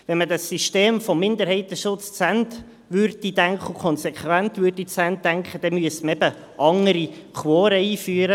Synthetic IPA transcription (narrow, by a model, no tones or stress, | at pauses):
ʋɛnmədɑsiʃteːmfɔmːɪnd̪əɾhɛɪt̪əʃʊt͡st͡sɛnt | ʋʏrd̥idæŋkχəukʰχɔnsɛkχwænt̪ʋʏrdit͡sænt̚dæŋkχəd̥ɛmyəsməɛbə | ʔɑŋəɾikʰwɔːɾəiːfyːəɾə